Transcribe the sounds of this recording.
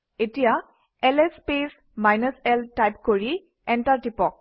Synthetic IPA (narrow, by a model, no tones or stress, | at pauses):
etija | ɛlespes | majnɔsɛltajp̚koɹi | ɛntaɹtipɔk̚